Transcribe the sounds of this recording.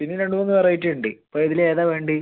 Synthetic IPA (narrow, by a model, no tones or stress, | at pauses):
pinːiɾe̞ɳɖɨmonːɨʋɐrɐjiʈːeɳɖipoːiðileːðaːʋe̞ːɳɖi